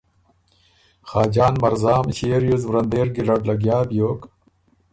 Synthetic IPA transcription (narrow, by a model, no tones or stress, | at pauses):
xaːd͡ʑaːnmɐɾzaːmɕeːɾjuzʋɾɐnd̪eːɾɡiɾɐɽlɐɡjaːbjoːk